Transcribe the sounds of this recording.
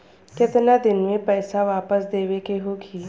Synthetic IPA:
kɪt̪nad̪ɪnmẽpɛːsaʋaːpəsd̪eːʋekeɦoɡiː

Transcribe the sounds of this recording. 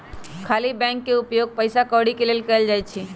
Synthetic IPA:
kʰaːlibɛ̃ŋkːeʊpjoːɡ̚pəjsakɔʋɽikeleːlkəəld͡ʒaːjt͡ʃʰi

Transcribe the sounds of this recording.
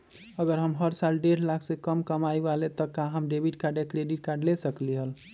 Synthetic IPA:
əɡəɾɦəmɦəɾsalɖeʈlakʰsekəmkəmajbalet̪əkːaɦəmɖebʱiʈ̚kaɾɖekɾeɖiʈ̚kaɾɖlesəkliɦəl

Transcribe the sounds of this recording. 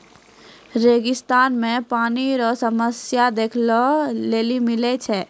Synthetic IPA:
ɾeːɡɪst̪aːnmẽpaːniɾɔsəməsjad̪eːkʰlɔleːlimɪlɛt͡ʃʰɛ

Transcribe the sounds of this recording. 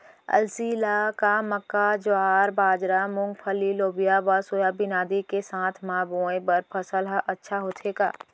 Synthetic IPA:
ɐ̰lsiːlakaməkːad͡ʒoaːɾbaːd͡ʒɾamʊ̃ŋɡpʰəliloːbijabasoːjabinaːd̪ikesãːt̪ʰmãːboːẽbəɾpʰəsəlɦəʔɐtːʃʰaɦoːt̪ʰeːɡa̰ː

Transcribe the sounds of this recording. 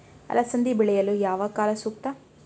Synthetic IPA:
ɐ̰lːɐsɐnd̪ibiɭɛjɐlujaːʋɐkaːlɐsuːk̚t̪ɐ

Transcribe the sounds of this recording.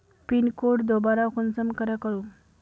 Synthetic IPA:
pinkoʈd̪obaɾakunsəmkəɾəkəɭu

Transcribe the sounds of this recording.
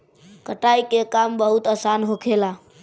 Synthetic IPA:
kəʈaikekambəɦut̪əsanɦokʰela

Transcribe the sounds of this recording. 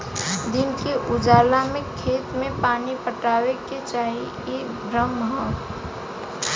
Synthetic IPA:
d̪ɪnkeʔʊd͡ʒaːlamẽkʰeːt̪mẽpaːnipəʈaːweket͡ʃaːɦi | e | bʱɾəmɦɔ

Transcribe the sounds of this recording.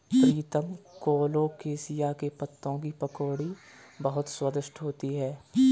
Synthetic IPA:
pɾiːt̪əmkoːlõkeːsɪjakepɐt̪ːõkipɐkoːɽi | bɐɦʊt̪swəd̪ɪʃʈɦoːt̪iɦɛː

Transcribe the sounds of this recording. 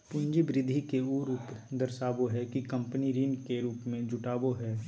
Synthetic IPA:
pʊ̃nd͡ʒibɾɪd̪ʱikeuɾuːp | d̪ɐɾsaːboɦɛkikɐ̃mpəniɾiːnkeɾuːpmẽd͡ʒʊʈaːboɦɛː

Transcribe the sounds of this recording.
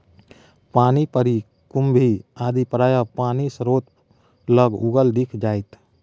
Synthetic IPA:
paːnipəɾi | kʊmbʱiaːd̪ipəɾaːjapaːnisəɾoːt̪ | ləɡʊɡəld̪ɪkʰd͡ʒaːjt̪

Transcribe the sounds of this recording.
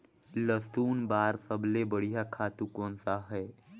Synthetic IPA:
ləsuːnbaːɾsəbʱlebəɽijakʰaːt̪ukõːnsaɦɛː

